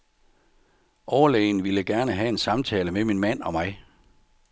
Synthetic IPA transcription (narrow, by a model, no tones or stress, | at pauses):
ʔɒʊɐlɛ̰ːɪnʋeləɡ̥æɐnəɦæe̝nsɑ̈mt͡sʰɛːləmeminmæn̰ɒ̽mɑ̈ɪ